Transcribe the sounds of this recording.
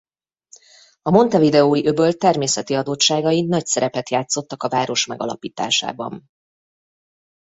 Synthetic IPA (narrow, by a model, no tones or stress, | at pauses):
ɒmo̞nt̪ɛvid̪ɛoːiʔøbølt̪ːɛrmeːsɛt̪iɒd̪ot͡ʃːaːɡɒjinɒcsɛɾɛpɛt̪jaːt̪so̞t̪ːɒkɒvaːɾo̞ʃmɛɡɒ̰lɒ̰piːt̪a̰ːʃa̰ːbɒ̰n